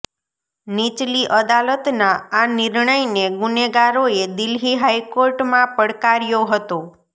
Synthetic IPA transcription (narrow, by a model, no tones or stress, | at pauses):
nit͡ʃliʔəd̪alət̪naanɪɾɳəjneɡuneɡaɾoed̪ɪlɦiɦajkoɾʈmãpəɽkaɾjoɦət̪o